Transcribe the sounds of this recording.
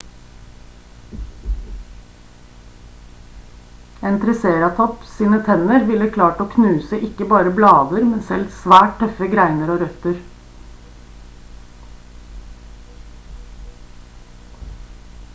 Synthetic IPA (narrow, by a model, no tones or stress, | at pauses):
eːnt̪ʰɾɛseːɾɑt̪ʰɔpsiːnət̪ʰɛnəɾʋɪləkʰlɑːʈoːkʰnʉːsəʔɪkəbɑːɾəblɑːd̪əɾmɛnsɛlsʋæːʈ̚t̪ʰœfəɡɾæɪnəɾoːɾœt̪əɾ